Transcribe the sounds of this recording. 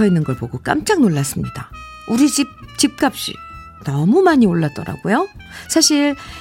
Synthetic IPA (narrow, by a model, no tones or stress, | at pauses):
ʌinːɯnɡʌɭpoɡok͈a̰mt͡ɕ͈aŋnoɭːas͈ɯmɲid̥a | uɾid͡ʑip̚t͡ɕip̚k͈ap̚ɕ͈ḭ | nʌmumaɲioɭːat̚t͈ʌɾa̰ɡojo | sʰaɕʰiɭ